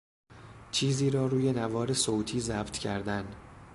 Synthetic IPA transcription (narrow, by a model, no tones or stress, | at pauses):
t͡ʃʰiːziːɾɒːɾuːje̞nævɒːɾe̞soːt̪ʰiːzæːbt̪ʰcʰæɾd̪æn